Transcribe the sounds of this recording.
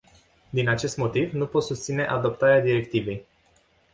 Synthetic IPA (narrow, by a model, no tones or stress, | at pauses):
d̪inat͡ʃe̞st̪mo̞t̪ivnupo̞t̪sust̪sineʔad̪o̞pt̪aɾead̪iɾe̞kt̪ive̞j